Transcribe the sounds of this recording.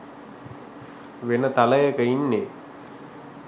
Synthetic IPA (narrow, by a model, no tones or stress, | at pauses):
ʋenət̪aləjəkəinːe